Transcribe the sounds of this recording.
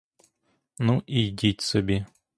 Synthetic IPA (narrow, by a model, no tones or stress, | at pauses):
nuʔidʲitʲsɔbʲi